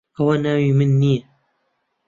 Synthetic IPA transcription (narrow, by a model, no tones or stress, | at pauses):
ɐwɐnaːwimɨnːijɛ